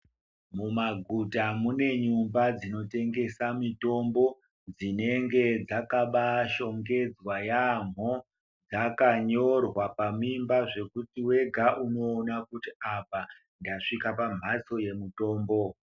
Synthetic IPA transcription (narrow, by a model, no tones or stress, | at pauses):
mumaɡʱutamune̞ɲumbad͡zino̞te̞ŋɡe̞samito̞mbo̞ | d͡zine̞ŋɡe̞d͡zakaɓaʃo̞ŋɡe̞d͡zwajam̤o | d͡zakaɲo̞rwapamimbaʐe̞kutiwe̞ɡʱaʔuno̞ːnakutiapa | ndaʂikapam̤aso̞je̞muto̞ːmbo̞